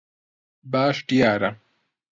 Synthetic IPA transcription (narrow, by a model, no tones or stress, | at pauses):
baːʂʈijaːɾa